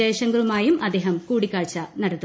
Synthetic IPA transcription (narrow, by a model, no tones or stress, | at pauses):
eːɕɐŋɡɐɭumaːjumʔɐd̪eːɦɐmkuːɽikʲːaːɻt͡ɕːɐnɐɽɐt̪ːu